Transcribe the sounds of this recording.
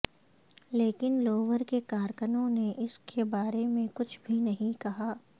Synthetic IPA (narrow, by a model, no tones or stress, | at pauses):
leːkɪnloːʋəɾkekaːɾkənõneʔɪskʰebaːɾemẽkʊt͡ʃʰbʱinɐɦĩkɐɦaː